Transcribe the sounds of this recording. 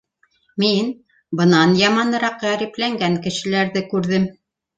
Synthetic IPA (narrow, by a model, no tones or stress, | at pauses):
min | bɤ̆nɑnjɑmɑnɤ̆ɾɑqʁæɾiplæŋɡæŋkɘ̆ʃɘ̆læɾðɘkʉɾðɘm